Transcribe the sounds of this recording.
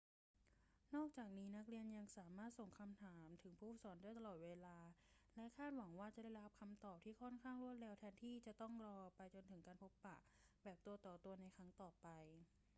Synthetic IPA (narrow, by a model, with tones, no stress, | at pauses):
nɔː˥˩k̚t͡ɕaː˨˩k̚niː˦˥na˦˥k̚ɾi˧ənja˧ŋsaː˩˦maː˥˩t̪̚so˨˩ŋkʰa˧mt̪ʰaː˩˦mt̪ʰɯ˩˦ŋpʰuː˦˥˩sɔː˩˦nda˥˩jt̪̬a˧lɔː˨˩t̪̚weː˧laː˧lɛ˦˥ʔkʰaː˥˩t̪̚wa˩˦ŋwaː˥˩t͡ɕa˨˩da˥˩jɾa˦˧a˧˩p̚kʰa˧mt̪ɔː˨˩p̚t̪ʰiː˥˩kʰɔ˥˩nkʰaː˥˩ŋɾu˥˩ət̪̚ɾeː˧wt̪ʰɛː˧nt̪ʰiː˥˩t͡ɕa˨˩t̪ɔ˥˩ŋɾɔː˧pa˧jt͡ɕo˧nt̪ʰɯ˩˦ŋkaː˧npʰo˦˥pːa̰˨˩ʔbɛː˨˩p̚t̪u˧ət̪ɔː˨˩t̪u˧ɐna˧jkʰɾa˦˥ŋt̪ɔː˨˩pa˧j